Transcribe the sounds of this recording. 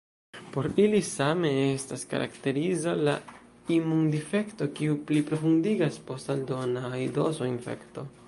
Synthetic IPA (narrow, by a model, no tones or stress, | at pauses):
po̞ɾilisame̞estaska̰ɾʔa̰kte̞ɾizala | imundife̞kto̞kiuplipɾo̞fundiɡaspo̞staldo̞naido̞soinfe̞̰kto̞